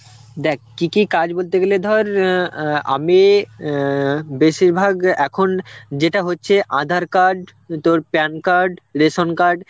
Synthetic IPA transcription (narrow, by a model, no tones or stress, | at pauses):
d̪ɛkʰkikikad͡ʑbolt̪eɡeled̪ʱɔɾ | a̰me | beʃiɾbʱaɡɛkʰond͡ʑeʈaɦotːɕʰeʔad̪ʱaɾkaɾɖ | t̪oɾpɛnkaɾɖɾeʃonkaɾɖ